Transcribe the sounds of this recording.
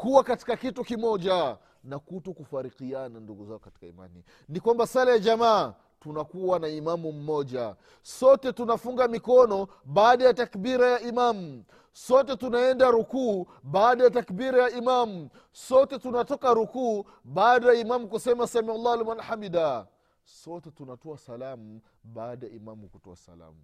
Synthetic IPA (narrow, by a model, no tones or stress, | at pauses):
kuwakati̥kakitukimɔʄa | nakutɔkufaɾiqiananduɡuzaɔkati̥kaḭma̰nḭ | nikwambasalajaʄama | tunakuwanaimamum̩mɔʄa̰ | sɔtɛtunafuŋɡamikɔnɔ | ɓaːɗajatakɓiɾajaimamu | sɔtɛtunaɛndaɾukuː | ɓaːɗajatakbiɾajaimamu | sɔtɛtunatɔkaɾukuː | ɓaːɗajaimamukusɛmasamialːaalmalħamida | sɔtɛtunatɔasalamu | ɓaːɗaja̰imamukutɔa̰sa̰la̰mu